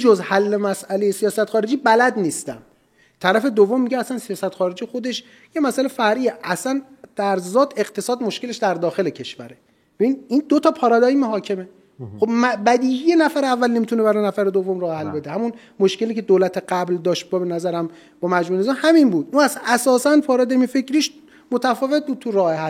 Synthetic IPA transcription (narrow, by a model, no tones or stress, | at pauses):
d͡ʒozhælːemæsʔælejesijɒːsæt̪xɒːɾe̞d͡ʒiːbælæd̪niːst̪æ̰m | t̪ʰæɾæfe̞d̪ovːomːiɟeæsænsijɒːsæt̪xɒːɾed͡ʒijexo̞d̪e̞ʃ | jemæsælefæɾiːjeʔæsænd̪̥æɾzɒːt̪ʰe̞qt̪ʰe̞sɒːd̪mo̞ʃke̞leʃd̪æɾd̪ɒːxe̞lecʰe̞ʃvæɾe̞ | b̥ebinind̪ot̪ʰɒːpʰɒːɾɒd̪ɒiːmoɦɒːcʰe̞me | xobmæbæd̪iːhije̞næfæɾeævːælne̞mit̪unebæɾɔjnæfæɾed̪ovːomɾɒːhehælbe̞d̪ehæmun | moʃke̞liːkcʰe̞d̪oːlæt̪ʰeɢæbld̪ɒːʃt̪̚bɒbenæzæɾæm | bɒːmæd͡ʒmuːenezɒːmhæminbuːd̪ʔunæsæʔæsɒːsænpʰɒːɾɒːd̪ɒimfe̞cɾiːʃ | mot̪ʰæfɒːve̞t̪̚buːd̪̚t̪ʰuɾɒːheɦæl